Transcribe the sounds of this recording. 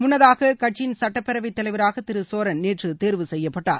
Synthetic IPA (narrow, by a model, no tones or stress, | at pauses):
mʊnːɐðaːɣɐkɐʈ̚t͡ʃɪnsɐʈːɐpːɛɾɐʋɪt̪ːɐlɐɪʋɐɾaːɣɐt̪ɪɾɯsoːɾɐnneːʈrɯt̪eːɾʋɯsɛjːɐpːɐʈːa̰ːɾ